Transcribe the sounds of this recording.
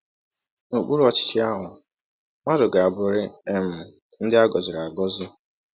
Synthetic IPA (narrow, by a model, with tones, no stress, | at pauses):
o˨k͡pu˦ɾu˦ɔ˦t͡ʃɪ̥˦t͡ʃɪ˦a˦ɦʊ˨ | mʷa˦dʊ˨ɡa˨a˨bʊ˨ɾɪ˦e˦m̩˨ | n̩˦dɪ˦a˦ɡɔ˨zɪ˨ɾa˨bɔ˦zɪ˦